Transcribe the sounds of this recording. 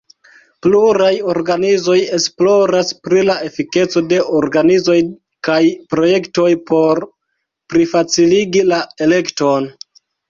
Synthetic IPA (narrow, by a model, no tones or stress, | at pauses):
pluɾajo̞ɾɡanizo̞je̞splo̞ɾaspɾilae̞fike̞t͡so̞de̞ʔoɾɡanizo̞j | kajpɾo̞je̞kto̞jpo̞ɾ | pɾifat͡siliɡilae̞le̞kto̞n